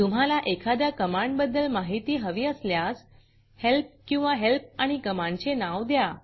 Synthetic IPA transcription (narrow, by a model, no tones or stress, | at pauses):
t̪um̤alaʔekʰad̪jakəmaɳɖbəd̪ːəlmaɦit̪iːɦəʋiəsljas | help̚kĩw̃ʋaɦelp̚aɽ̃ikəmãɳɖt͡ɕenaʋd̪ja